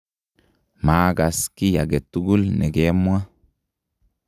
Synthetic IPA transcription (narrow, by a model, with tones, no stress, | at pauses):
maː˦ɡa˨ski˦ja̰˨ɡe˨t̪ːu˦ɡu˦lne˨ɡe˦mwa˦